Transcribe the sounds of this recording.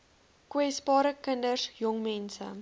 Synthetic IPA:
kwɛsbɑːɾəkəndəsjɔŋmɛnsə̰

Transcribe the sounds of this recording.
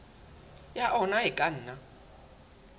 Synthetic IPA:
jaʔɔnaɦikʼan̩ːna

